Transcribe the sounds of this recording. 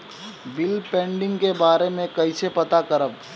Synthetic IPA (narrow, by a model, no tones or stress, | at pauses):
bɪlpɛ̃ːɳɖɪ̃ŋɡkebaːɾemẽkɐisepɐt̪akɐɾəb